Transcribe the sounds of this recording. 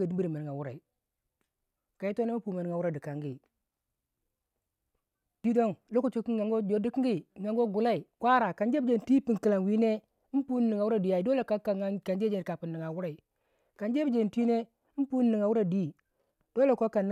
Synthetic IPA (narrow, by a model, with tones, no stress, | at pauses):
ɡa˨di˦bi˦ɾi˨ma˨n˨ŋa˨wu˦ɾa˨i˨ | ka˨i˦to˦ne˦m˦pu˨ma˨n˦ŋa˨wu˦ɾa˨di˨ka˨ŋɡi˦ | d̥i˦do˦ŋlo˦ku˦t͡ʃo˦ki˦a˨ŋɡo˦d͡ʒo˨di˦ki˦ŋɡi˦˨ŋɡa˨ŋɡo˦ɡu˨la˦i˨kʷwa˦ɾa˨ka˨nd͡ʒe˦bd͡ʒe˨n˨ti˦pi˨ŋki˨la˨ŋ˨wi˦ne˦ | m˦pu˦n˦ni˨ŋa˨wu˦ɾa˦˨di˨ja˨i˨do˦le˨ka˦ka˨a˦ka˨nd͡ʒe˦d͡ʒe˨n˨ka˨pi˨nːi˨ŋa˨wu˦ɾa˨i˨ | ka˨nd͡ʒe˦bi˦d͡ʒe˨n˨tʷi˦ne˦ | m˦pu˦n˦ni˨ŋa˨wu˦ɾa˨di˦˨ | do˦le˨ko˦ka˨n˦